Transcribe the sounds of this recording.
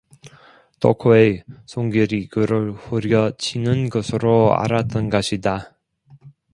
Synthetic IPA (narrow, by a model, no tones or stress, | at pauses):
tʰo̰kʰoesʰoŋɡiɾiɡɯɾɯɭhuɾjʌt͡ɕʰinɯnɡʌsʰɯɾoa̰ɾat͈ʌnɡʌɕʰida